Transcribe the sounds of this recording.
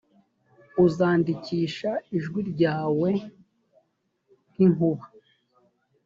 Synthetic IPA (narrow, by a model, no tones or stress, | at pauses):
uzaːndiciːʃaiʒɡwiɾɟaːwe̞ | n̥iŋuβa